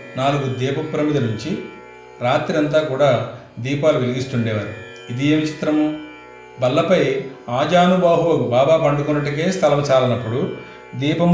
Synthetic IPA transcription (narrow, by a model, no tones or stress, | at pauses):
naːluɡud̪ɛːpɐpːɾɐmid̪ɐnuɲt͡ʃi | ɾaːt̪ɾiɐnt̪̬aːkuːɽaː | d̪iːpaːluʋeliɡ̪ist̪uɳɖɛːʋaːɾu | id̪ieːmit͡ʃi̥t̪ɾɐmu | bɐlːɐpɐjaːd͡ʒaːnubaːɦuʋɐkubaːbaːpɐɳɖukunːɐʈ̬ukeːst̪ʰɐlɐmɐt͡ʃaːlɐnɐpːuɽu | d̪iːpɐm